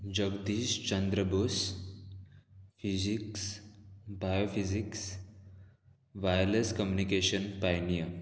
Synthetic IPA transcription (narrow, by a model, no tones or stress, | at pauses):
d͡ʑəɡd̪iːst͡ʃənd̪ɾəbos | fiziksbajofiziks | ʋajleskəmjunikeʃənpajnijə